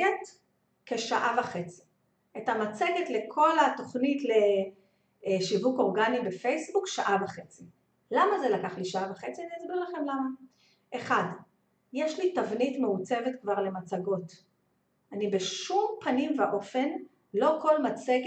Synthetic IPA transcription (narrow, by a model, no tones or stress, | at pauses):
et | keʃaʔavaχe̞t͡si̥ | etamat͡seɡetle̞kʰo̞lato̞χnitle̞ | ʃivuko̞ʁɡanibefe̞jsbukʃaʔavaχe̞t͡si | lamazelakaχliʃaavaχet͡sianiasbiʁlaχe̞mlama | ʔeχad | jeʃlitavnitmeut͡sevetkvaʁle̞mat͡saɡo̞t | anibeʃumpanimveʔo̞fe̞n | lo̞ko̞lmat͡seɡ